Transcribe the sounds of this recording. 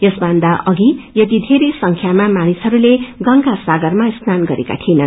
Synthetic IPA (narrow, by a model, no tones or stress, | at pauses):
jʌsbʌnd̪aʔʌɡijʌt̪id̪ʱeɾesʌŋkʰjamamañisɦʌɾuleɡʌŋkasaɡʌrmast̪ʰanɡʌɾeka̰t̪ʰinʌn